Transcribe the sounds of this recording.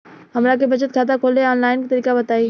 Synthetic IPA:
ɦɐmɾakebʱɐt͡ʃət̪̚kʰaːt̪̬akʰoːleɔːnlaːɪnkit̪əɾiːkabɐt̪aːiː

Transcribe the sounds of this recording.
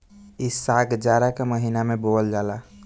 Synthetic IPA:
isaɡd͡ʒaɾakeməɦinameboəld͡ʒala

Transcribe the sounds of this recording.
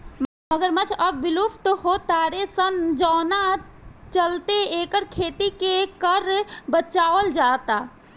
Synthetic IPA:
mɐɡəɾmɐt͡ʃʰɐbːɪlupʈhot̪aːɾesənd͡ʒɔːnat͡ʃəlt̪eeːkəɾkʰeːt̪ikekəɾbət͡ʃaːʋəld͡ʒaːt̪aː

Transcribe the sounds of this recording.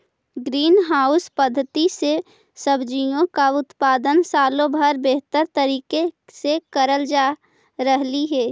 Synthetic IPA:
ɡɾiːnɦaːʊspəd̪ʱːət̪ise | səbd͡ʒijõkaʊt̪paːd̪ənsaːlõbʱəɾbeɦt̪əɾt̪əɾiːkesekəɾəld͡ʒaː | ɾəɦliɦɛː

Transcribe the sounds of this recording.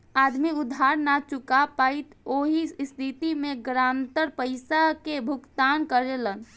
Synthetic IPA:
aːd̪miʊd̪ʱɦaːɾnat͡ʃʊkapaːit̪oːɦist̪ʰit̪imẽɡɾaːnt̪əɾpəɪsakebʱʊkt̪aːnkəɾelən

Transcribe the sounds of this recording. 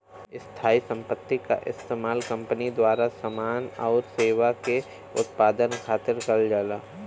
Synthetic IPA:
ɪst̪ʰaːisə̃mpət̪ːika̰ʔɪ̰st̪eːmaːlkɐ̃mpənid̪waːɾasəmaːnɔːɾseːʋake | ʊ̰t̪paːd̪ənkʰaːt̪ɪɾkɐld͡ʒaːla̰ː

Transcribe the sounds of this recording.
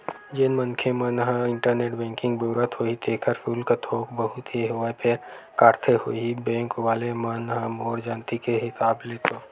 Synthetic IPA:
d͡ʒenmənkʰemənɦə̃ɪ̃ɳʈəɾneːʈbɛ̃ːŋkɪ̃ŋɡboːɾət̪ɦoːɦit̪eːkʰəɾpʰuːlkat̪ʰoːkbəɦʊt̪eɦoapʰe | kaːɾt̪ʰeɦoibɛ̃ːŋkʋaːlemənɦəmɔːɾd͡ʒaːnt̪ikeɦɪsaːbleːt̪oː

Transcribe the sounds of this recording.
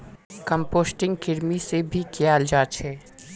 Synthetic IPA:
kə̃mpoːsʈɪ̃ŋɡkɪɾmisebʱikjaːld͡ʒaːt͡ʃʰɛ

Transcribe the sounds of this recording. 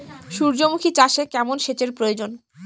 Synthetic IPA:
ʃuɾd͡ʑomukʰit͡ɕaʃekɛmonʃet͡ɕeɾpɾojod͡ʑon

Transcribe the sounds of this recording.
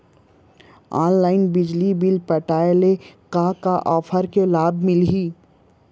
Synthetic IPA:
ɔːnlaːɪnbɪd͡ʒlibɪlpəʈaːelekakaʔɔːpʰəɾkelaːbmɪlɦiː

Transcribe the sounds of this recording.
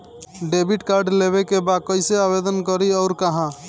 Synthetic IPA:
ɖebʱiʈkaɾɖleβekebad̪̚kəjseabed̪ənkəɾiɔʊɾkaɦã

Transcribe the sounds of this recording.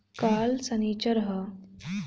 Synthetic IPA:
kalsənit͡ɕəɾɦə

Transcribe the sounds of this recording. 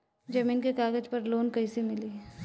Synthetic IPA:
d͡ʒɐmiːnkekaːɡəd͡ʒpɐɾloːnkɐisimɪli

